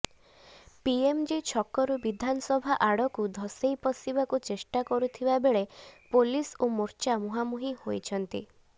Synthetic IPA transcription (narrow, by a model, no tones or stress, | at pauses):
piemd͡ʒit͡ʃʰɔkɔɾubid̪ʱanɔsɔbʱaʔaɽɔkud̪ʱɔsejpɔsibakut͡ʃesʈakɔɾut̪ʰibabeɭepolisomoɾt͡ʃamuɦamuɦihojt͡ʃʰɔnt̪ḭ